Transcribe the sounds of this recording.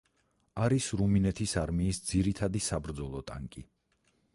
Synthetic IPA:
aɾisɾuminɛt̪ʰisaɾmiːsd̪z̥iɾit̪ʰad̪isabɾd̪zɔlˠɔt̪ʼa̰ŋkʼi

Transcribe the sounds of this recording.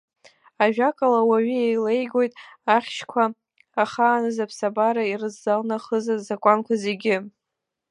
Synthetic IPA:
aʒᶣakʼalawaɥiejle̞jɡo̞jtʼaχʲʃkʷʰaː | χaːnɨzapʰsabaɾairɨzːalnaχəzazakʷʼankʷʰaze̞ɡʲɪ

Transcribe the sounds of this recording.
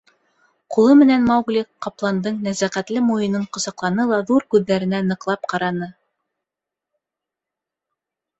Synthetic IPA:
qulˠɤmɘ̆nænmɑwɡlʲiqɑplˠɑnd̪ɤɴnæzæqæt̪lɘmujɤ̆nɤɴqŏzɑqlˠɑnɤlˠɑðuɾkʉðːæɾɘ̆nænɤ̆qlˠɑp̚qɑɾɑnɤ

